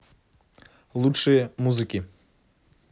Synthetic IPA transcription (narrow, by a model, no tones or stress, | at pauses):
lˠutʂɨjəmuzɨkʲi